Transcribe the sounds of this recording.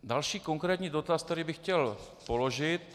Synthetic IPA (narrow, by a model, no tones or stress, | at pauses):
dalʃiːko̞ŋkɾɛːt̪ɲiːdo̞t̪ast̪ɛɾiːbɪxcɛl | po̞lo̞ʒɪt̪